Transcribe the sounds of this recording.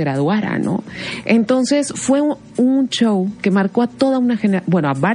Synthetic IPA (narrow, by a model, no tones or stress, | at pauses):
ɣɾaðwaɾa̰no̞̰ent̪o̞nse̞sfwe̞ | unt͡ʃowke̞maɾko̞at̪o̞ðaunaxeneɾabwe̞noaβa